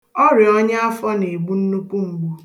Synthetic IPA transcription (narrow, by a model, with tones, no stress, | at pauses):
ɔ˦ɾɪ˨ɔ˦ɲ˦a˦fɔ˦ne˨ɡ͡bu˦n̩˦nu˦k͡pʷu˦ŋ͡m̩˨ɡ͡bu˦